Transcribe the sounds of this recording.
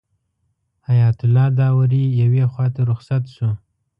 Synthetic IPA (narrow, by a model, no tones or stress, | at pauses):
hajɑt̪ʊlɑd̪ɑwaɾijawexwɑt̪aɾʊxsat̪ʃu